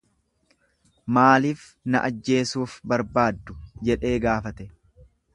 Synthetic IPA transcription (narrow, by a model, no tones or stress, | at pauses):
maːliːf | nɐʔɐd͡ʒːe̞ːsuːfbɐɾbaːd̪ːʊd͡ʒɛᶑe̞ːɡaːfɐt̪ɛ